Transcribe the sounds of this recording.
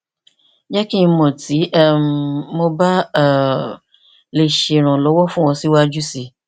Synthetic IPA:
d͡ʒa˦kĩ˦˨˧mɔ̃˨ti˨˦ʔmõ˧ba˦˨ | le˨ʃe˨ɾ̃ɔ̃˨lɔ˨˦wɔ˦fũ˦wɔ̃˧si˦wo˦a˦d͡ʒu˦si˨

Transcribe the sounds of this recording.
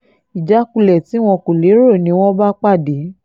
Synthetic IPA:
i˨d͡ʒa˨˦ku˧lɛ˨ti˨˦w̃ɔ̃˧ko˨le˨˦ɾo˦˨nĩ˧˦w̃ɔ̃˦ba˦k͡pa˦˨de˨˦

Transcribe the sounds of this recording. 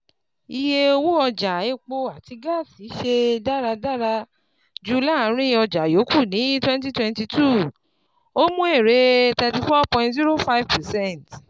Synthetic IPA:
i˧je˧o˧wo˦ɔ˧d͡ʒa˨e˦˨k͡po˧a˦˨ti˧ɡa˦˨si˨˦ʃe˧da˦ɾa˧da˦ɾa˧ | d͡ʒu˦la˦˨˦ɾ̃ĩ˦ɔ˧d͡ʒa˨jo˨˦kʰu˦˨nĩ˨˦twɛ̃˦nt̬i˦twɛ̃˧nti˧tʰu˦˨ | o˦mũ˦e˦˨ɾe˨˦tɛ˧ti˧fɔ˦pɔ̃˧ĩntsi˦ɾo˦fa˦i˦vpɛ˨sɛ̃˦nt

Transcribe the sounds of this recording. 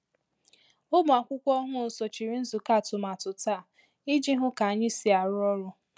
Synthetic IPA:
ʊ˦bʊ˨a˨kʷʊ˦kʷɔ˦ɦʊ˦˨so˨t͡ʃi˨ɾi˨˦n̩˦zʊ˨ka˦˨tʊ˨ma˨tʊ˨ta˦˨ | ɪ˦d͡ʒi˦ɦʊ˦ka˨a˨ɲɪ˦si˨a˨ɾʊ˦ɔ˦ɾʊ˦

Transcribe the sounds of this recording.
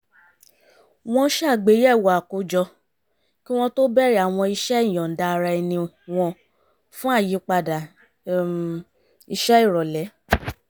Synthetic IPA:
w̃ɔ̃˧ʃa˦˨ɡ͡be˨˦jɛ˦˨wɔ˨a˨ko˧˦d͡ʒɔ˧ | ki˦w̃ɔ̃˧to˦bɛ˦ɾi˦a˨w̃ɔ̃˧i˧ʃɛ˦i˦˨j̃ɔ̃˨n̩˨da˧ɾa˧ɛ˧nĩ˧ | w̃ɔ̃˧ | fũ˦a˦˨ji˨˦k͡pa˧da˨ | i˧ʃɛ˦i˦˨ɾɔ˨lɛ˨˦

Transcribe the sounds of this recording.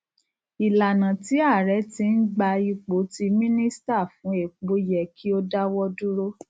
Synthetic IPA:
i˨la˨nã˨ti˨˦a˦˨ɾɛ˨˦ti˧˦n̩˦ɡ͡ba˧i˧k͡po˨˦ti˧mĩ˦nĩ˦sta˦˨fũ˨˦e˦˨k͡po˨˦jɛ˨kʰi˦o˦da˦wɔ˦du˦ɾo˦

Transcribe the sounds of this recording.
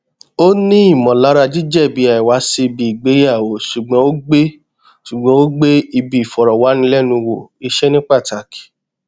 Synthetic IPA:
o˦nĩ˦i˦˨mɔ̃˨la˨˦ɾa˧d͡ʒi˦d͡ʒɛ˦˨bi˨˧˦a˨i˨wa˨˦si˧i˧bi˨i˨ɡ͡be˨˦ja˦˨o˨˦ʃu˨ɡ͡bɔ̃˨˦o˦ɡ͡be˦ | ʃu˨ɡ͡bɔ̃˨˦o˦ɡ͡be˦i˧bi˨i˨fɔ˨ɾɔ˨wa˨˦nĩ˧˦lɛ˦˨nũ˧wo˨i˧ʃɛ˦nĩ˦k͡pa˦˨ta˨ki̥˨

